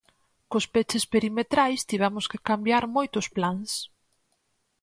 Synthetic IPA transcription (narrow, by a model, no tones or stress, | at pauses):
kʊspet͡ʃespeɾimet̪ɾajst̪iβɛmʊskekambjaɾmojt̪ʊsplaŋs